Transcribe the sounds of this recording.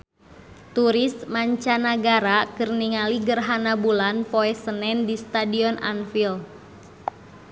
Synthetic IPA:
t̪uɾɪsmaɲt͡ʃanaɡaɾakɨrniŋaliɡərɦanabulanpɔɛsənɛndist̪adiɔnʔa̰nfil

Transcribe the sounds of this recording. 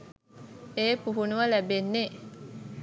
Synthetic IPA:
eːpuɦunuʋəlæbenːe

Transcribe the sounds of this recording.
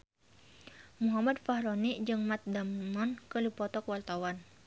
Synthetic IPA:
muɦamadfaɦɾɔniʔd͡ʒɨŋmat̪̚damnɔnkəlupɔt̪ɔkwart̪awan

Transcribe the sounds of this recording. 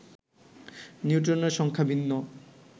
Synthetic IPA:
niuʈ̬ɔneɾʃɔŋkʰabinːɔ

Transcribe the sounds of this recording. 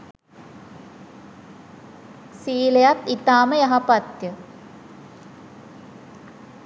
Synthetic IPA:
siːlejat̪it̪aːməjaɦapat̪jə

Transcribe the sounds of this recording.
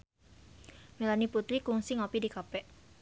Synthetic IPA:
melaniput̪ɾikuŋsiŋɔpidikapɛʔ

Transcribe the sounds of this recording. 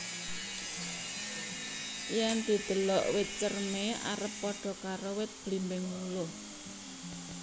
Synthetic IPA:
jɛnd̪̥i̤d̪̥ə̤lɔʔwɪt̪̚t͡ʃərmea̰ɾəpːɔɖ̥ɔ̤kaɾowɪt̪̚b̥limbɪŋlulʊh

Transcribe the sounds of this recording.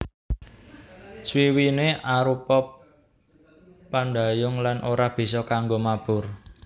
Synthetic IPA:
swiwineʔaɾupɔp | anɖ̪a̤jʊŋlanʔoɾab̥i̤sɔkaŋɡomab̥ʊ̤r

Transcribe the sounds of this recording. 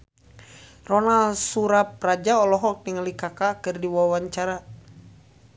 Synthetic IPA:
rɔnalsuɾap̚rad͡ʒaɔlɔɦɔk̚niŋalikakakɨrdiwawaɲt͡ʃaɾa

